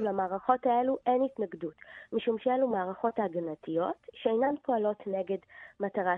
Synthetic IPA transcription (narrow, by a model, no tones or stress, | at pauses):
lamaːʁaχo̞tae̞luʔe̞nitnaɡdutmiʃumʃeelumaːʁaχo̞taɡanatijo̞tʃeejnanpʰo̞alo̞tne̞ɡe̞dmataʁa